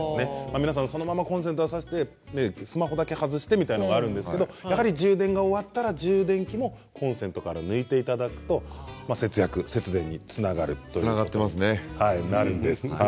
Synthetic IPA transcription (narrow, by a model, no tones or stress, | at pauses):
snemamʲinas̬ãso̞no̞mamakõ̞s̬ẽ̞nt̪oasaɕi̥t̪e̞ | nesɨmaɦo̞d̪ake̞hazɨɕi̥t̪e̞mit̪ainoɡaːɾɯ̟̃nd̪esɨ̥ke̞d̪o̞jaɦaɾʲiʑɨːd̪ẽ̞ŋɡao̞βat̪ːaɾaʑɨːd̪ẽ̞ŋkʲimo̞ | kʰõ̞ɰ̃sẽ̞nt̪o̞kaɾanɯ̟it̪e̞it̪ad̪akɯ̟̥t̪o̞mase̞t͡sɨjakɯ̟se̞t͡sɨd̪ẽ̞ɲ̟ːit͡sɨnaɡaɾɯ̟̰t̪ojnaɡat̪ːemasɨnehainaɾɯ̟̃nd̪esɨ̥ha